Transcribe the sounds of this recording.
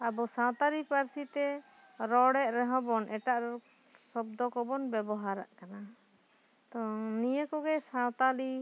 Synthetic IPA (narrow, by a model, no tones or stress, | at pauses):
abɔsãwt̪alipaɾsit̪ɛ | ɾɔɽɛʔ̚ɾɛɦɔ̃bɔnʔɛʈaʔɾɛ | sɔb̚d̪ɔkɔbɔnbɛbɔɦaɾa̰ʔkana | t̪ɔnijəkɔɡɛsãwt̪ali